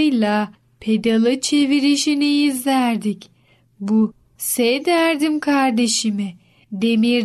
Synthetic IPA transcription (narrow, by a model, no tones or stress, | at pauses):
jlˠa | pʰe̞d̪alˠɯt͡ʃʰe̞viɾiʃiniizlʲæɾd̪ic | bu | sed̪æɾd̪imkʰaɾd̪e̞ʃimɪ | d̪e̞miɾ